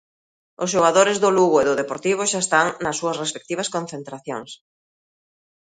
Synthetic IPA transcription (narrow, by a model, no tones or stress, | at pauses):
ʊsʃoɣaðoɾɪzðʊluɣʊeðʊðepoɾt̪iβ̞ʊʃaest̪aŋnɐsːuɐsrespek̚t̪iβ̞ɐskon̟θent̪ɾaθjo̰ŋs